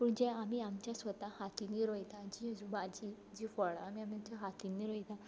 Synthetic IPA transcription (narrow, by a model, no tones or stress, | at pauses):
puɳd͡ʑɛ̃amiamt͡ɕjasʋət̪ãhat̪iniːɾɔjt̪ãd͡ʑĩd͡zubad͡ʑi | d͡ʑifɔɭam̤iamit͡ɕjaɦat̪inːiːɾɔjt̪ã